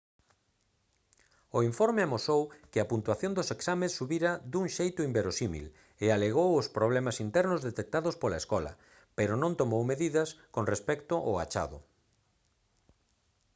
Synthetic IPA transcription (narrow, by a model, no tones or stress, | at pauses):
ʊiɱfɔɾmɪmosowkɪɐpunt̪waθjõnd̪ʊseksamesːuβiɾɐd̪uŋʃejt̪ʊimbeɾosimḭl | ealeɣ̞owʊspɾoβlɛmasint̪ɛɾnʊzðet̪ek̚t̪aðʊspolaɐeskɔlɐ̰ | peɾʊnõnt̪omowmeðiðɐskoŋrespɛkt̪ʊʔːa̰t͡ʃa̰ðʊ̰